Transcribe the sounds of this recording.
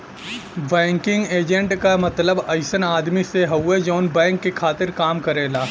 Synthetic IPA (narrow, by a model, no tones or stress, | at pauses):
bɛ̃ːŋkɪ̃ŋɡeːd͡ʒə̃ɳʈkamɐt̪ləbɐɪsənaːd̪miseɦɐwːed͡ʒɔːnbɛ̃ːŋkːekʰaːt̪ɪɾkaːmkɐɾeːlaː